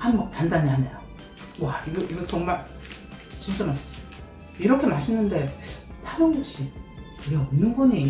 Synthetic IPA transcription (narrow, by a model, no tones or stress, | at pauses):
hanɡʌk̚tandaɲiɦaɲejo | waiɡʌʔiɡʌt͡ɕoŋmaɭ | t͡ɕint͡ɕ͈ama | iɾʌkʰe̞maɕʰinːɯnde̞tʰaɾoŋd͡ʑoɕ͈ʰikɯɾiʌmnːɯnɡune